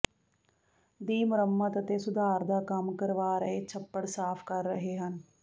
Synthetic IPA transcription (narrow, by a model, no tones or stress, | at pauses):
d̪iːmɾəmːət̪ət̪eːsʊd̪aːɾd̪aːkəmkəɾʋaːɾəɦeːt͡ʃʰəpːəɽsaːpʰkəɾːəɦeːɦən